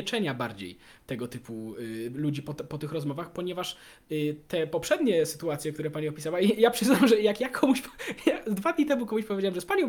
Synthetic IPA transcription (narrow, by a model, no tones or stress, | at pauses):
ɛt͡ʂɛɲabaɾd͡ʑḛj | t̪ɛɡɔt̪ɘpulud͡ʑipɔt̪ɛpɔt̪ɘxɾɔzmɔvaxpɔɲɛvaʂ | t̪ɛpɔpʂɛd̪ɲɛsɘ̥t̪uat̪sjɛkt̪uɾɛpaɲiɔpʲisawaijapʂɘznamʐɛjakjakʰɔmuɕpjazd̪vad̪ʲɲit̪ɛmukɔmuɕpɔvʲjd͡ʑawamʐɛspaɲɔ̃w̃